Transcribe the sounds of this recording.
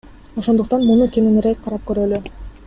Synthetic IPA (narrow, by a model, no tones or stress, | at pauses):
oʃo̞nd̪uq̚t̪ɑnmunukʲenenɾek̚qʰɑɾɑp̚køɾøly